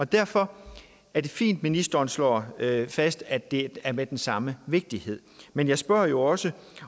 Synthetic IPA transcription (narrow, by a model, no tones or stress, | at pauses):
ɒ̽d̥æɐfɒ̽ | æɐd̥e̝fḭːnd̥minisd̥ɐːnslɒ̰ːfæsd̥æd̥e̝æɐmed̥ensɑ̈məʋe̝ɡ̥̚d̥ihe̝ð̞̰ˠmenjɑ̈ɪsb̥ɶɐ̰jo̝ɒ̽sə